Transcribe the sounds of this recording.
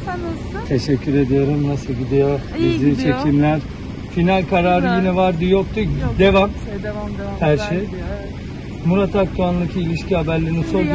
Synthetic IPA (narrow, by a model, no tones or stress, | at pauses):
t̪ʰe̞ʃɛcʰːyɾe̞d̪ijo̞ɾumnasɯlˠɟid̪ejo | izit͡ʃʰe̞cʰimlʲæɾ̥ | finalʲkʰaɾaːɾɯjinɛvaɾd̪ɯjok̚t̪ʰud̪e̞vam | hæɾʃej | muɾat̪ʰak̚t̪ʰuanlˠacʰiːlʲiʃcʰihabæɾlʲeɾiniso̞ɾd̪